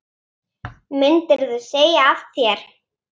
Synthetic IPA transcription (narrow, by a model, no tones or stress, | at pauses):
mɪnt̪ɪɾðʏseːjaafθjɛɾ̥